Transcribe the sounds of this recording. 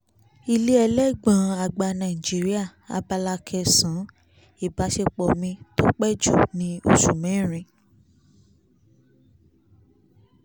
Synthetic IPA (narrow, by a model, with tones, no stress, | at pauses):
i˧le˦ɛ˧lɛ˦ɡ͡bã˨˧a˨ɡ͡ba˧nã˨i˨d͡ʒi˨˦ɾi˦a˦˨a̰˨˧ba˧la˧kʰɛ˧sã˨˦ | i˦˨ba˨˦ʃe˧k͡pɔ˨mĩ˧to˦k͡pɛ˦d͡ʒṵ˦˨nĩ˧˦o̰˦˨ʃu˨mɛ̃˨˦˨ɾ̃ĩ˨˧˦